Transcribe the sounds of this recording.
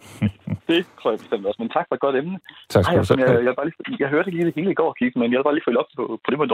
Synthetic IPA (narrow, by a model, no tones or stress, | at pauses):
d̥e̝t͡sʰʁo̰ɐ̰jb̥e̝sd̥em̰d̥ɒ̽sment͡sʰɑ̈ɡ̥fɒ̽ed̥̚ɒ̽d̥emnət͡sʰhɑɪsmnjajaʋelb̥ɑːliːjɑ̈ɪɦøɐd̥eɡəliːd̥e̝he̝ːləiɡ̥ɒ̰ːkʰiɡ̥əmenjɑʋelbɑ̈ːliːfø̰lɒ̽b̥̚pʰɔ̽pʰɒ̽d̥emɐd̥u